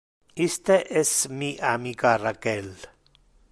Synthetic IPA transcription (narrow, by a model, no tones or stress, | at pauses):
ist̪eʔesmiʔamikarakel